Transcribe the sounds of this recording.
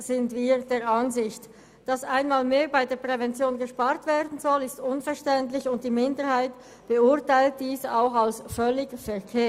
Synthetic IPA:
z̥ɪntv̥iːd̥eːɐɾanzɪçt | d̥ɑsaɪnmaːlmeːɐbaɪdeːɐpʁ̥ɛvɛnt͡sjoːnɡəʃpaːɐtv̥eːdn̩zɔlɪstʊnfɛɐʃtɛntlɪçʊnt̚d̥iːmɪndəɾhaɪt | b̥əʊɐtaɪlt̚d̥iːsaʊxalsfœlɪɡfɛkʰeː

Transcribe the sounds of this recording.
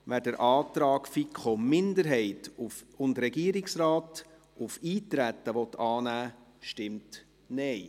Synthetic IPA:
ʋæːɾdəɾʔɑːtɾɑːkfikχomɪndəɾɦɛɪtufʊndɾɛɡiəɾɪksɾɑːt | ufiːtɾæt̪ːəʋɔt̪ɑːnæːʃtɪmt | nɛɪ

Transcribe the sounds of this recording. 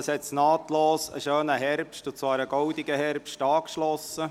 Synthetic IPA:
əshɛtsnɑːtloːsə̰ʃøːnəɦɛrpʃtʊt͡sʋɑːɾəɡ̥ɔwdɪɡəhɛɾpʃtɑːkʃlɔsə

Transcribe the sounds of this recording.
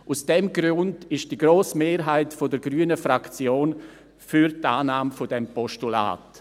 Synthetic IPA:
ʔusd̥ɛmɡɾʊndɪʃd̥iɡɾoːsmeːɾɦaɪtfodəɾɡɾyːnəfɾakt͡sjoːn | fyɾtaːnaːmfodɛmpɔʃtula̰ːt

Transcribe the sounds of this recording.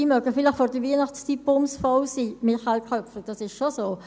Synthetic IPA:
imœɡəfɪləχfɔɾd̥əviənɑχtst͡sʰipbʊmsfɔwsiːmɪχalkʰʁœpfləd̥ɑsɪʃʃosoː

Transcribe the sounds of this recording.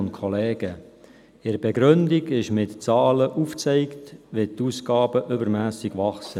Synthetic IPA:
ʊntkʰɔlɛːɡə | ɪɾəb̥ɛɡɾʏndiɡɪʃmɪtt͡sɑːləʔuːft͡sɛɪktʋet̪uːskɑːbəʔʏbəɾmæːsɪɡ̥ʋɑχsə

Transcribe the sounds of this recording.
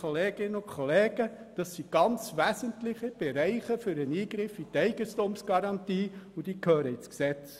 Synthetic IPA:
oleːɡ̥ɪnːəʊkʰχoleːɡ̥ə | d̥ɑsːiɡ̥ɑnt͡sʋæsəntlɪχəb̥ɛɾæɪχəfʏɾəniːɡɾɪfit̪ɛɪɡ̥əstuːmsɡ̥ɑɾɑntiːʊd̥̪iːkhøːɾəɪt͡sksɛt͡s

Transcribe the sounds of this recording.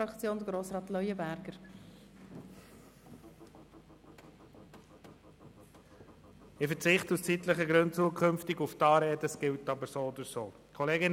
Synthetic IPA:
ɾɑkt͡sjoːnd̪ɡɾoːsɾɑːt̪lœʏəbæɾɡ̥əɾ | ɪfət͡sɪχtust͡sit̪ləχəɡɾʉnt̚t͡suəkʰʏmftɪɡuftɑːɾeːdəsɡ̥ɪltɑbəɾsoːod̪əɾsoː | kʰɔleːɡɪn

